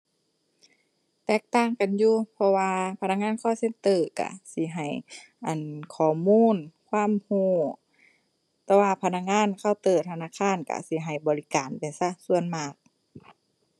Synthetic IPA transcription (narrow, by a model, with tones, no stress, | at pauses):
t̪ɛː˧˨k̚t̪aː˧˩˨ŋka˨njuː˧pʰɔ˧waː˧pʰa˧na˧˥k̚ŋaː˧˥˨nkʰɔː˧˩˨se˧˥˨nt̪ɤː˧˩ka̰˧˩si˧˦ɦa˨˩j | ʔa˨nkʰɔː˨˩muː˧˥˨nkʰwaː˧˥˨mhuː˧˩ | t̪ɛː˧waː˧pʰa˧˥na˧k̚ŋaː˧˥˨nkʰa˧˩˨wt̪ɤː˧˩t̪ʰa˧naː˧˥˨kʰaː˧˥˨nka̰˧˩si˧˦ɦa˨˩jbɔː˨li˧˦kaː˨npe˨nsa˧˩˨su˧ənmaː˧˩k̚